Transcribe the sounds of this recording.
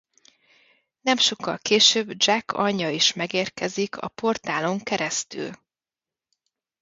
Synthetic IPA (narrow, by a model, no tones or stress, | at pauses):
nɛmʃo̞kːɒlkeːʃøːbd͡ʒɛkʰːɒɲːɒiʃmɛɡeːrkɛzikʰɒ̰po̞rt̪aːlo̞ŋkɛɾɛst̪y̰l